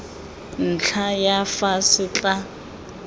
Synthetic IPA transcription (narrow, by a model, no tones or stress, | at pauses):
n̩t͡ɬʰajafasɪt͡ɬʼa